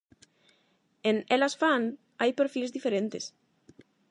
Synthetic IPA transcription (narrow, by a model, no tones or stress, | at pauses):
ẽnɛlasfaŋ | ajpeɾfilzðifeɾẽnt̪es